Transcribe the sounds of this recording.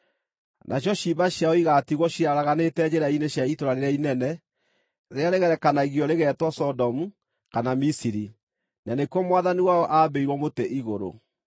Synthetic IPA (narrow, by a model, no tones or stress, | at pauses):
nʔaɕjɔʃiβaɕjaɔiɣatiɣwɔɕiaɾaɣanetɛd͡ʑeɾaineɕjaitoɾaɾeɾeainɛnɛ | ɾeaɾeɣɛɾɛkanaiɣiɔɾeɣɛtwɔsɔdɔmu | kanamisiɾi | nanekwɔmwaðaniwaɔʔabeiɾwɔmoteʔiɣoɾo̰